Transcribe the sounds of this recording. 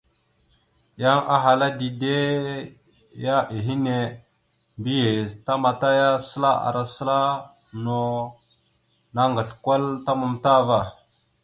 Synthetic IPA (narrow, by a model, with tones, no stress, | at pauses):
ja˦ŋa˦ɦa˨la˦di˨de˦ | ja˦ʔi˨ɦi˦ne˦ | mbi˦je˨ta˦ma˨ta˦ja˦sə˦la˦a̰˨ɾa˨sə˦la˦ | no˦ | na˦ŋɡə˨ɬkʷa˦lta˦mu˨mta˦va˦˨